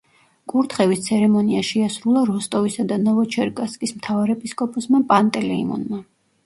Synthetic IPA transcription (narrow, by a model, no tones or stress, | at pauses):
kʼuɾt̪ʰχɛvist̪sʰɛɾɛmɔniaʃɛasɾulˠaɾɔst̪ʼɔvisad̪anɔvɔt͡ʃʰɛɾkʼaskʼismt̪ʰavaɾɛpʼiskʼɔpʼɔsmapʼant̪ʼɛlɛḭmɔ̰nma